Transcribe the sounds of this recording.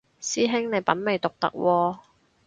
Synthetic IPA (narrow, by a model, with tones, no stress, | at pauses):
siː˥ɦɪ˥ŋne˨˧jpɐ˨˥nme˨˧jt̪ʊ˨k̚t̪ɐ̰˨˥k̚wɔː˧